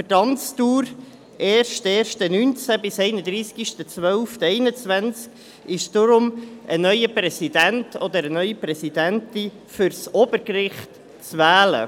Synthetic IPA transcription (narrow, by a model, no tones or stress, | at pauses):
fətɑnt͡stuːɾ | ɛːrʃtɛːrʃtənynt͡sæbɪsɛɪnəd̪ɾiːskiʃtət͡svœʊftɛɪnət͡sʋænt͡sk | ɪʃd̥ʊɾʊmʔənœʏəpɾɛsidæntʰɔd̪əɾənœʏipɾɛsidæntɪ | fʏɾsɔb̥əɾkrɪχt | t͡svæːlə̰